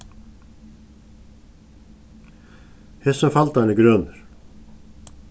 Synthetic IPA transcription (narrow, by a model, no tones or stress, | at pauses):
hɛsʏmfalt̪aniɡɾœːnʏɾ̥